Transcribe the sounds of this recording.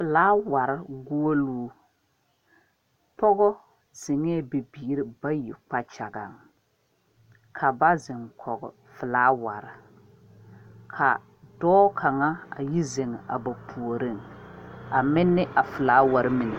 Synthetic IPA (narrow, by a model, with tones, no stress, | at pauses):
fɪ˨laː˦wa˨ɾɪ˦ɡoː˦o˦luː˦ | pɔ˦ɡɔ˦ | z̥ɪ˨ŋɛ˦˨be˨biː˨˦ɾɪ˦ba˦jḭ˨k͡pa˦t͡ʃa˨ɡa̰˨ŋ | kʰa˨ba˦zɪ˨ŋkʰɔ˨ɡɔ̰˨ | fɪ˨laː˨˦wa˨ɾɪ˨ | kʰa̰˨ | dɔː˦kʰa˨ŋa˦a̰˨ji˦ze˨ŋ˨a̰˨ba˨pʰu˨o˨ɾɪ˦˨ŋ | a˨mɪ˦nːɪ˦ʔa˨fɪ˨laː˨˦wa˨ɾɪ˦mɪ˨nɪ˨